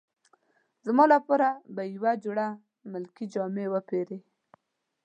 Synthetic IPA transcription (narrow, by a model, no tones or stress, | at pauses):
zmɑlapoɾabajwad͡ʒuɽa | əmɪlkid͡ʒɑmewəpeɾe